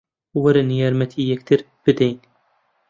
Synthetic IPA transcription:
wɐɾanjɑːɾmɐt̪ʰijɛkt̪ʰɨɾ | b̥ɨd̪ɛjn

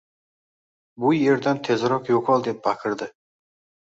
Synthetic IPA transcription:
bʊje̞ɾd̪ant̪ʰe̞zɾɒqjoqʰɒlˠd̪e̞p̚bakʲʰɪɾd̪ɪ

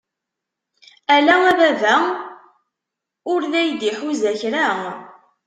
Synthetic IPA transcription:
ælæævævæ | ʊɾðæjd̪iħuzæçɾa

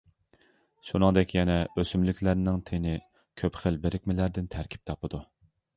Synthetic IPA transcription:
ʃunɨŋd̪ɛkʲʰjɛnɛøsymlykʲʰlæɾnɪŋt̪ʰenɪ | kʲʰøpχəlbeɾɪkʲmɪlæɾd̪ɪnt̪ʰæɾkʲʰi̥p̚t̪ʰɑpɨd̪u

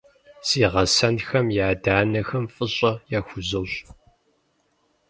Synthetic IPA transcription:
siːʁɐsɐnxɐmjaːdaːnɐxɐmfʼɨɕʼɐjaːxʷʊzɐɕ

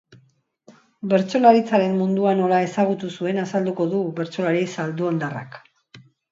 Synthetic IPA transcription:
be̞ɾt͡so̞laɾit͡saɾe̞mmund̪uano̞lae̞saɣ̞ut̪usue̞nasald̪uko̞ðuβe̞ɾt͡so̞laɾisald̪uand̪ara̰k

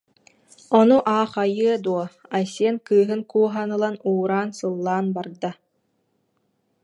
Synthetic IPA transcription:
ɔnuʔaːχajɯɐd̪uɔajsiɛnkɯːɦɯnkuːɦanɯlˠanuːɾaːnsɯlˠːaːnbaɾd̪a

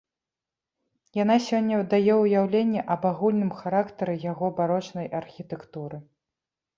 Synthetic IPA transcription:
janasʲɔnʲːɐd̪ajɛwjawlʲenʲːɛʔɐbaɣulʲnɨmxaɾakt̪ɐɾɨjaɣɔbaɾɔt͡ʂnɐjʔɐrxʲit̪ɛkt̪uɾɨ

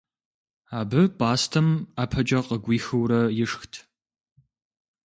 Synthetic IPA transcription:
aːbɨpʼaːstʰɐmaːpʰɐt͡ʃʼɐqəɡʷiːxɨwɾɐjɪʂxtʰ

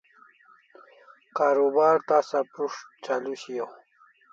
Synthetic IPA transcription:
kaːɾobɑːɾt̪asapɾuʂt͡ɕaluɕiew

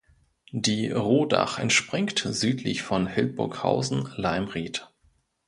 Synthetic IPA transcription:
diːʁoːda̰χɛ̰ntʃpʁ̥ɪŋktzyːtʰlɪ̰çfɔnhɛlb̥ʊɐkha̰ʊzn̩laɪmʁiːt

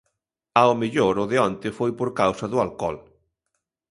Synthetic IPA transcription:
aomeʎoɾʊðeɔnt̪ɪfojpoɾkawsɐðʊalkɔ̰l

